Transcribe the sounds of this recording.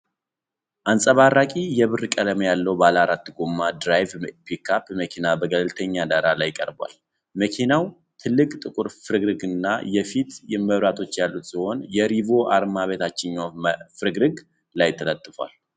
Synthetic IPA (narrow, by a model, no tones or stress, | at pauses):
ʔansʼəβaɾakʼijɛβɨrkʼəd̪əməjalːəwbalaɾat̪ːɨɡomːad̪ɾajvpikʰapməkʰinabəɡəlɨlt̪ʰəɲːad̪aɾalajːkʼəɾba̰l | məkʰinaw | t̪ʰɨlːɨkʼt̪ʼɨkʼʊɾfɨɾɨɡɾɨɡɨnːajɛfit̪jɛməβɾat̪ʰo̞t͡ʃːjalːut̪siho̞njɛɾivo̞ʔaɾmaβe̞t̪ʰat͡ʃːɪɲːafɨɾɨɡɾɨɡ | lajt̪ʰːələt̪ʼːɨfwa̰l